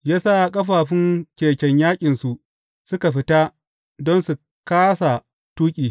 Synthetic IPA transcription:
jaː˦saː˦˨kʼɐ˦ɸaː˨ɸɪ˦ŋkʲeː˨kʲɛ˦ɲjaː˦kʲʼɪ˨nsu˨ʔ | sʊ˦ka˨ɸɪ˦ta˦ | dɔ˦nsu˨ | kaː˦sa˨ | tuː˦kʲʼiː˨

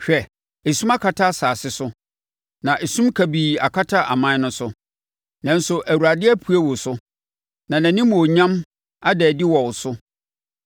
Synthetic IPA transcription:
ɕᶣɛ˨ | e˨sũ˦ma˦kʰa˨tʰa˦˨saː˨sɪ˦sʊ˦ | nã˨ʔɛ˨sũ˦mkʰæ˨biː˨a˨kʰa˦tʰa˦ʔa˨mã˦nʊ̃˦sʊ˦ | nã˨n̩˦sʊ˨ʔæ˨wu˨ɾa˨dɪ˦ɛ˦pʰu˦æ˦wo˨sʊ˦ | nã˨næ̃˨nĩ˦mo˨ɲã˦m | a˦dɛ˨dɪ˦wɔ˨wʊ˨sʊ˦

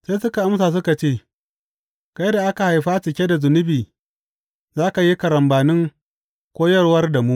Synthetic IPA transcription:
seː˦sʊ˦ka˨ʔa˦msaː˨s̬ʊ˦ka˨t͡ʃeː˦˨ | ka˦jda˨ʔa˦ka˨ha˨jɸaː˦t͡ʃɪ˨kʲe˦da˨zʊ˨nʊ˦biː˨ | zaː˦ka˨ji˦kɐ˨ɾɐ˨mbaː˨nɪ˦ŋ | kʷoː˦jɐ˦rwɐ˦rda˨mu˦

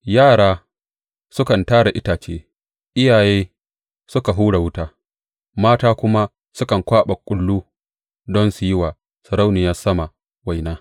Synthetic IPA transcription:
jaː˦˨ɽaː˦ | sʊ˦kɐ˨ntaː˦ɽa˨ʔɪ˦taː˨t͡ʃeː˦ | ʔɪ˦jaː˨jeː˦ | sʊ˦ka˨ɦuː˦ɽa˨wʊ˦taː˦ | maː˦taː˦kʷʊ˦ma˦ | sʊ˦kɐ˨ŋkʷaː˦ɓɐ˨kʷʼʊ˦lːuː˦ | dɔ˦nsu˨jɪ˦wa˨ | sɐ˨ɾa˦wnɪ˨ja˦sɐ˦ma˨ | wa˨jnaː˦

